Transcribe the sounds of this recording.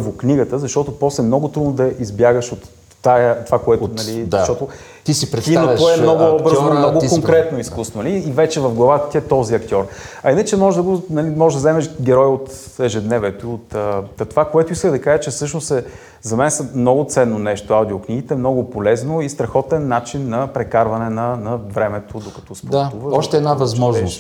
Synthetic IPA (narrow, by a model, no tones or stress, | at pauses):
vokniɡət̪əzɐʃt̪ɔt̪ʊpɔslɛmnɔɡʊt̪ɾud̪nod̪ɐʔizbjaɡəʃot̪ː | at̪ovakoɛt̪onɐlizɐʃt̪ɔt̪o | t̪isipɾt̪ioɔɛmnɔɡʊbɤɾznomnɔɡokoŋkɾɛt̪noiskusonliːvɛt͡ʃɛvɐfɡlˠɐvat̪ət̪iɛt̪ɔziɐkt̪ʲɔɾɐinət͡ʃɛmɔʒd̪ɐbnɐlimɔʒɛʒd̪ɐzɛmɛʃɡʲɛɾɔjot̪ | ɛʒɛd̪nɛvɛt̪oiot̪ət̪ovakoɛt̪ʊiskəd̪ɐkaʒət͡ʃɛfsɤʃnosɛ | zɐmɛnsɛmnɔɡʊt̪sɛnːonɛʃt̪oawd̪iokniɡit̪ɛːmnɔɡʊpolɛznoist̪ɾɐxɔt̪ɛnːat͡ʃinːɐpɾɛkaɾvɐnɛnɐnɐvɾɛmɛt̪od̪okɐ̥t̪ɔsp̪auvɐɔʃt̪ɛːd̪navɐzmɔʒnnos